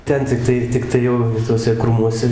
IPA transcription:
ˈtʲɛn tʲɪkˈtɐɪ tʲɪkˈtɐɪ jɛʊ ɪ tuɔˈsʲɛ ˈkruːmuɔsʲɛ

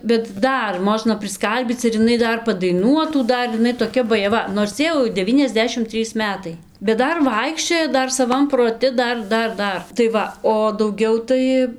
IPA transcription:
bʲɛt ˈdɐr ˈmoːʒnɐ pʲrʲɪsˈkɐlʲbʲiːt͡s ɪr ɪˈnɐɪ ˈdɐr pɐdɐɪˈnuɔtuː ˈdɐr ɪˈnɐɪ toːˈkʲɛ bɐjɛˈʋɐ noːrs ˈjɛɪ jɛʊ dʲɛˈʋʲiːnʲɛzʲˌdʲæːʃʲɪm ˈtʲrʲiːs ˈmʲæːtɐɪ bʲɛt ˈdɐr ˈʋɐɪkʃʲt͡ʃʲoːjɛ ˈdɐr sɐˈʋɐm proːˈtʲɪ ˈdɐr ˈdɐr ˈdɐr tɐɪ ˈʋɐ oː dɐʊˈɡʲɛʊ tɐɪ

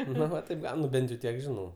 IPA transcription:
ˈnoː ʋɐ tɐɪp ˈɡɐʊn ˈnʊ ˈbʲɛnt jɛʊ ˈtʲiɛk ˈʒʲɪnɐʊ

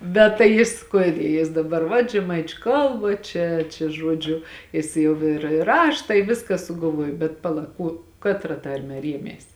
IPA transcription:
bʲɛt tɐɪ ˈjɪs ˈkuɔdʲɛ jɪs dɐˈbɐr ʋɐt ʒʲɛˈmɐɪt͡ʃʲʊ ˈkɐlˠbɐ ˈt͡ʃʲɛ t͡ʃʲɛ ˈʒuɔd͡ʒʲʊ ˈjɪs jɛʊ ɪr ɪr ˈrɑːʃtɐ ɪ ˈʋʲɪskɐ sʊɡɐlˠˈʋuɔjoː bʲɛt pɐˈlˠɐ ˈkuɔ ˈkɑːtrɐ ˈtɐrʲmʲɛ ˈrʲiɛmʲeːs

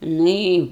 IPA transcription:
ˈnʊ ɪ

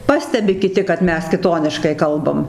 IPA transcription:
ˈpɑːsʲtʲɛbʲɪ kʲɪˈtʲɪ kɐt ˈmʲɛs kʲɪˈtoːnʲɪʃkɐɪ ˈkɐlˠbɐm

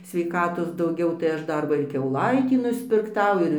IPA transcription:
sʲʋʲɛɪˈkɑːtoːs dɐʊˈɡʲɛʊ tɐɪ ˈɐʃ ˈdɐr ˈʋɐ ɪr kʲɛʊˈlˠɐɪtʲiː nʊsʲpʲɪrkˈtɐʊ ˈɪr

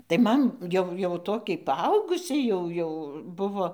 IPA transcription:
tɐɪ ˈmɐn ˈjɛʊ jɛʊ ˈtoːkʲɛɪ pɐˈɐʊɡʊsʲɛɪ ˈjɛʊ jɛʊ ˈbʊʋoː

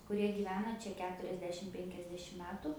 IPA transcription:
kʊˈrʲiɛ ɡʲiːˈʋʲæːnɐ ˈt͡ʃʲɛ ˈkʲæːtʊrʲɛzʲdʲɛʃʲɪm ˈpʲɛŋʲkʲɛzʲdʲɛʃʲɪm ˈmʲæːtʊ

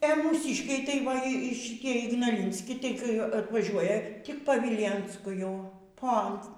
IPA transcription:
ɛ muːˈsʲiːʃʲkʲɛɪ tɐɪ ˈʋɐ ɪ ʃʲɪtʲiɛ ɪɡnɐˈlʲɪnʲsʲkʲɪ ˈtɐɪ kɐɪ ɐtʋɐˈʒʲuɔjɛ ˈtʲɪk pɐ ˈʋʲiːlʲeːnskʊ ˈjɛʊ ˈpoːnt

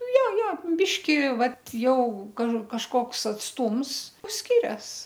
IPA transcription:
ˈjɛ ˈjɛ ˈbʲɪʃʲkʲɪ ˈʋɐt ˈjɛʊ kɐ kɐʃˈkoːks ɐtsˈtuːms ˈsʲkʲɪrʲɛs

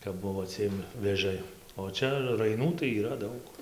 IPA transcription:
kɐp ˈbʊʋoː ˈt͡sʲiɛm ʋʲeːˈʒɐɪ oː ˈt͡ʃʲɛ rɐɪˈnuː tɐɪ iːˈrɐ ˈdɐʊk

